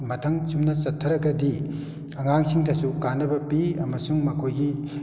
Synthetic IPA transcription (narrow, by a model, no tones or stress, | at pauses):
mɐtʰɐŋsumnɐt͡ʃɐtʰːɐɾɐɡɐdi | ɐŋaŋsiŋtʰɐsukanɐbɐpiɐmɐsuŋmɐkʰojɡi